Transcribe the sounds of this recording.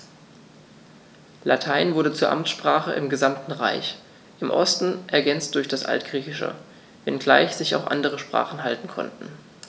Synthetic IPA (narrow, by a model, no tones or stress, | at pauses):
latʰaɪnvʊɐdət͡suːɐʔa̰mʃpʁ̥aːχə̰ʔɪmɡəzamtn̩ʁa̰ɪç | ʔɪmʔɔstn̩ʔɛɐɡɛnt͡st̚d̥ʊɐçd̥asʔa̰ltɡ̥ʁiːçɪʃə̰ | vɛnɡla̰ɪçz̥ɪça̰ʊxʔa̰ndəʁ̞əʃpʁ̥a̰ːχn̩ɦaltn̩kʰɔ̰ntn̩